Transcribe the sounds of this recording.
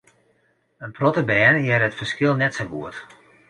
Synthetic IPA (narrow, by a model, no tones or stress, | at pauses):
ənprɔtəbɛːnjɛɾəətfərskɪlˠnɛtsowɡuət